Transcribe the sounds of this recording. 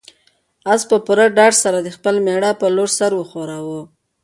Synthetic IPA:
aspəpuɾaɖɑɖsaɾad̪əxpəlmeɽapəloɾsaɾwəxoɾawu

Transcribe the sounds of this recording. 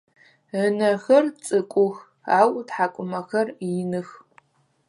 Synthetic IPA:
ənɐxɐrt͡sʼɨkʷʼʊx | aːwdħakʷʼʊmɐxɐrjɪnɨx

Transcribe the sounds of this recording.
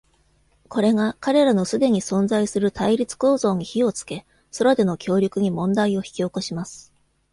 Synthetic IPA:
ko̞ɾe̞ɡakaɾe̞ɾano̞sɨd̪e̞ɲ̟isõ̞nd͡zaisɨɾɯ̟t̪aiɾʲit͡sɨ̥ko̞ːzo̞ːɲ̟içio̞t͡sɨ̥ke̞ | so̞ɾad̪e̞no̞kʲo̞ːɾʲɯkɯ̟ɲ̟imõ̞nd̪aio̞çi̥kʲioko̞ɕimasɨ̥

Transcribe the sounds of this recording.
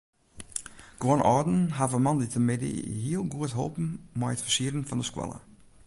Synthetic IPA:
ɡ̥onʔɔ̰ɹdn̩ɦavəmɑnditʰəmɪdə̰hiəlˠɡuətɦo̰lpn̩mɔjətfəsiəɾn̩fɔndəskwɛ̰lˠə̰

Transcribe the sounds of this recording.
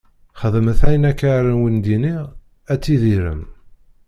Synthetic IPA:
χəðəməθæjənækːaɾənwind̪iniʁ | æt͡sːiðiɾə̰m

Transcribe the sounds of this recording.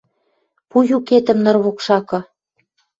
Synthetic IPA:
pujuket̪ə̆mnɤ̆rβokʃɑkɤ̆

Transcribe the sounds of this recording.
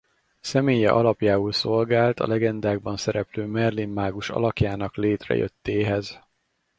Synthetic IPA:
sɛmeːjɛ̰ʔɒlɒpjaːulso̞lɡaːlt̪ʰɒ̰lɛɡɛnd̪aːɡbɒnsɛɾɛpløːmɛrlimːaːɡuʃɒ̰lɒkjaːnɒkleːt̪rɛ̰jø̰t̪ːeːɦɛz

